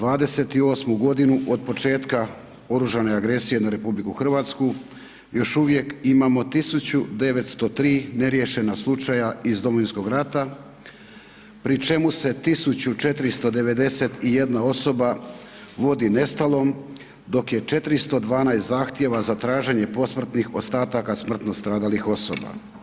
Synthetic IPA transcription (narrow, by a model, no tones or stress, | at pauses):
d̪ʋaːd̪e̞se̞t̪io̞ːsmuɡo̞d̪inuʔo̞d̪̚po̞t͡ʃe̞ːt̪ka | o̞ɾuʒane̞aɡɾe̞sije̞naɾe̞publikuxr̩ʋaːt̪sku | jo̞ʃuʋje̞kimaːmo̞t̪isut͡ɕud̪e̞ʋe̞t̪st̪o̞t̪ɾiːne̞ɾje̞ʃe̞naslˠut͡ʃajaizd̪o̞moʋinsko̞ɡɾat̪a | pɾit͡ʃe̞muse̞t̪isut͡ɕut͡ʃe̞t̪ɾist̪o̞d̪e̞ʋe̞d̪e̞se̞t̪ije̞d̪nao̞so̞ba | ʋo̞d̪ine̞st̪alo̞m | d̪o̞kje̞t͡ʃe̞t̪ɾist̪o̞d̪ʋaːnajst̪zaxt̪je̞ʋazat̪ɾaːʒe̞ɲe̞po̞smr̩t̪nixo̞st̪aːt̪akasmr̩t̪no̞st̪ɾaːd̪alixo̞so̰ba̰